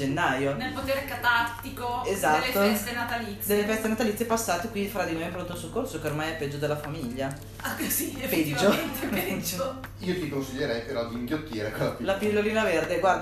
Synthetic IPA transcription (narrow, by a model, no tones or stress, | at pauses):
d͡ʒenːajonelpot̪eːɾekat̪at̪ːikoezat̪lːeːoɛst̪enat̪alit̪sd̪elːefɛst̪enat̪alit̪sepasːaːt̪ekwind̪ifɾad̪inojɛmpɾont̪osokːorsokeormajɛpːɛd͡ʒːod̪elːafamiʎːa | asiped͡ʒd͡ʒoet̪eed͡ʒo | iːot̪ikonsiʎːeɾɛjpeɾɔd̪iːŋɡjot̪ːiːɾekelaplafilːoliːnaverd̪eɡwaɾd̪